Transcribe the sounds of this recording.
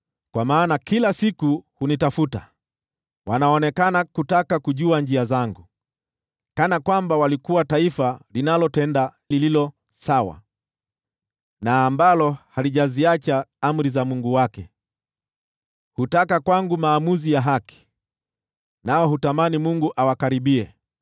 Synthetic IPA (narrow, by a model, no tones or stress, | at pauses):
kwamaːnakilasikuhunitafuta | wʔanaɔnɛkanakutakakuʄuaɲd͡ʒiazaŋɡu | kanakwambawalikuwataifalinalɔtɛndalililɔ | sawa̰ | naːmbalɔhaliʄaziat͡ʃaam̩ɾizamuŋɡuwakɛ̰ | hutakakwaŋɡumaːmuzijaɦaki̥ | naɔhutamanimuŋɡuʔawakaɾiɓiɛ